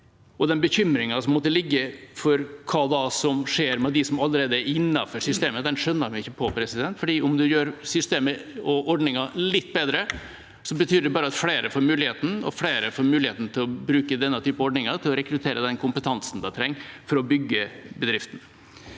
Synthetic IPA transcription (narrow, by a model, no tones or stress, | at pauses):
ʔɔd̪ɛnbəçʏmɾɪŋɑsɔmɔt̪ːəlɪɡːəfɔɾkʰɑːd̪ɑsɔmʂeːɾmɛd̪ɪsɔmɑlːəɾeːd̪əæɾɪnːɑfɔʂʏst̪eːməd̪ɛnʂœnːəɾmɪɪçːəpʰɔpʰɾɛsɪd̪ɛnt̪fɔɖiːʔʊmd̪ʉjøːɾsʏst̪eːməɔʔɔɖɳɪŋɑlɪt̪ːbeːd̪ɾə | sɔbət̪ʰyːɖɛbɑːɾəɑt̪fleːɾəfoːɾmʉːlɪheːt̪n̩ɔ̰fleːɾəfoːɾmʉːlɪheːt̪n̩t̪ʰɪlɔbɾʉːkəd̪ɛnːət̪ʰyːpəɔɖɳɪŋɑt̪ʰɪlɔɾɛkɾʉt̪ʰeːɾəd̪ɛnkʰʊmpət̪ʰɑnsn̩d̪ɛt̪ʰɾɛŋːfɔɾɔbʏɡːəbəd̪ɾɪft̪ən̩